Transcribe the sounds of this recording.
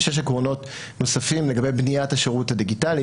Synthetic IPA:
ʃeʃ̬akʁono̞t | no̞safimle̞ɡabe̞jbnijataʃeʁuthadiɡitali

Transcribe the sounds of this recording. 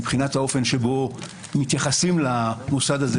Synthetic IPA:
bχinathao̞fe̞nʃe̞bo̞ | mit̪jaχasimlamusad̪aze

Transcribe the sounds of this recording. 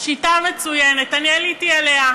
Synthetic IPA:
ʃitamet͡sujenet̪anjelitialea

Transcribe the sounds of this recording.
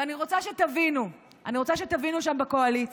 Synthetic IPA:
aniʁot͡saʃet̪avinu | ʔaniʁo̞t͡saʃet̪avinuʃ̬ambeko̞alit͡s

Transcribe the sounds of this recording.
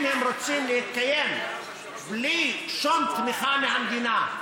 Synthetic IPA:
mhemɾot͡simlehit̪̚kajem | bliʃomt̪miχamehamd̪ina

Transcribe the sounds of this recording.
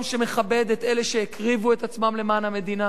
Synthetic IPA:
mʃeme̞χabe̞d̪et̪eleʃe̞ekʁivue̞t̪at͡smamle̞maːnhame̞d̪ina

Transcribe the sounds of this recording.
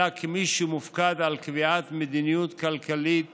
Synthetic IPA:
akʰemiʃumʊfkad̪ʕalkɪviʕaːt̪med̪inijut̪kalkalit̪

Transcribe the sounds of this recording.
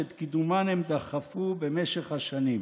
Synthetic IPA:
et̪kid̪umanhemd̪aχafubemeʃeχhaʃanim

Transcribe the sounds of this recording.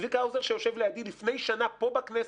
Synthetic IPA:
vikawzeʁʃejoʃevlejad̪ilifne̞jʃanapo̞baknes

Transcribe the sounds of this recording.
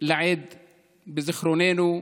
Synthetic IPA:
laʕiːd̪ | bɪzɪxɾuːneːnu

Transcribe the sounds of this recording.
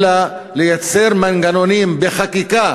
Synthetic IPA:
la | lejat͡seɾmanɡano̞nimbeχakika

